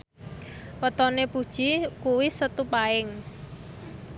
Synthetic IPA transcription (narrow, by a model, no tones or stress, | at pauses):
wɔt̪ɔnepud̥ʒ̥ikuwɪsət̪upaɪŋ